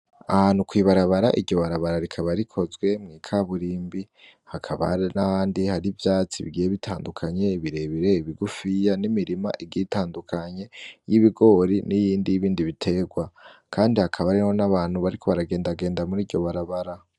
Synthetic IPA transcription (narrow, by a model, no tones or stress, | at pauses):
ahaːn̥hukwiːβaɾaβaɾaʔiɾɟo̞βaɾaβaɾaɾikʰaβaɾikʰo̞zɡwe̞mŋiːkʰaβuɾiːmbi | hakʰaβa̰ɾenahaːndihaɾivjaːt͡siβḭɡijeβitʰa̰ːndukʰaɲe̞iβiɾe̞βiɾe̞iβiɡufijanimiɾima̰ʔiɡitaːndukʰaɲe̞jiβiɡo̞ɾinijiːndijiβiːndiβitʰe̞ɡwakʰaːndihakʰaβaɾeho̞naβaːn̥huβaɾikʰo̞βaɾaɡe̞ːndaɡe̞ːndamuɾiːɟo̞βaɾaβaɾa